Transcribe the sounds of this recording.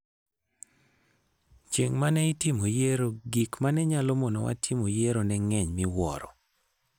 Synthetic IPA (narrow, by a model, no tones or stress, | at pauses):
t͡ʃeŋmanɛɪtimojeɾoɡikmanɛɲalomɔnɔ̰wa̰tʰimojeɾonɛŋɛɲmɪwɔ̰ɾɔ̰